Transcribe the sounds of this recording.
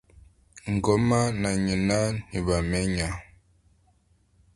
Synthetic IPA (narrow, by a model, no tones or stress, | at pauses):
ŋɡomanaɲinaniβamɛɲa